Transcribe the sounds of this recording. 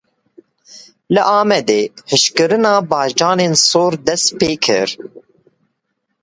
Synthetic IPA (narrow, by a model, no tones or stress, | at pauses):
lɨʔɑːmɛd̪eːhɨʃkɨɾɨnɑːbɑːʃd͡ʒɑːneːnsoːɾd̪ɛst̪̚peːkʰɨ̰ɾ